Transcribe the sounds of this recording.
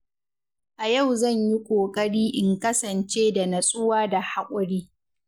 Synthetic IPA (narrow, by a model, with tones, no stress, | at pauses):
ʔa˨jɐ˦˨wzɐ˦˨ɲji˦kʷʼoː˨kʼɐ˦ɽiː˦ʔɪ˨ŋkɐ˦sɐ˨nt͡ʃeː˦da˨nɐ˨sʼʊ˦waː˦da˨ha˦kʷʼʊ˦ɽiː˦